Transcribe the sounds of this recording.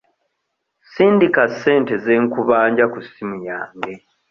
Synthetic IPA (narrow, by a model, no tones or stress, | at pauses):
siːndikasːe̞ːnte̞ze̞ːŋkuβaːɲɟakusimujaːŋɡe̞